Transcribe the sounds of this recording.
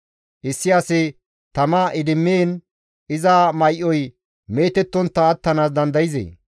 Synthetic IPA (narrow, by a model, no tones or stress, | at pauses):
ʔɪsːɪjaːsɪ | t̪ɐmaːʔɪd̪ɪmːeːn | ɪzaːmɐjʔɔj | me̞ːt̪ɛt̪ːɔnt̪ːɐːt̪ːɐnaːs̬d̪ɐnd̪ɐjɪzḛː